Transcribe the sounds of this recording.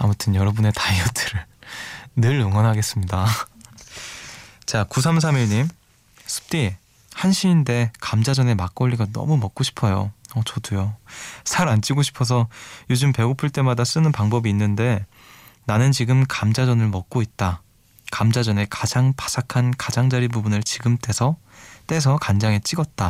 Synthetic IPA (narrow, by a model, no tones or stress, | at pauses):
amutʰɯnjʌɾʌbune̞taiʌtʰɯɾɯɭ | nɯɭuŋʌnɦaɡe̞s͈ɯmɲida | t͡ɕakusʰams̬ʰamiɭɲim | sʰɯ̥p̚t͈i | hanɕʰiːnde̞kamd͡ʑad͡ʑʌne̞mak͈̚ʌʎːiɡanʌ̰mumʌk̚k͈oɕʰi̥pʰʌjo̰ʌt͡ɕʌdujosʰaɾant͡ɕ͈iɡoɕʰi̥pʰʌs̬ʰʌjod͡ʑɯmpe̞ɡopʰɯɭt͈e̞madas͈ɯnɯnpaŋbʌbiːnːɯnde̞ | nanɯnt͡ɕiɡɯmkamd͡ʑad͡ʑʌnɯɭmʌk̚k͈oit̚t͈a | kamd͡ʑad͡ʑʌne̞kad͡ʑaŋpḁsʰakʰankad͡ʑaŋd͡ʑaɾibubunɯɭt͡ɕiɡɯmt͈e̞sʰʌ | t͈e̞s̬ʰʌkand͡ʑaŋe̞t͡ɕ͈iɡʌt̚t͈a